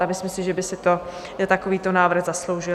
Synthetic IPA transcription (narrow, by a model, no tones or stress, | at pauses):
amɪsmsɪʒɛbɪsɪt̪o | t̪akoviːt̪onaːvr̩ɣzaslo̞wʒɪ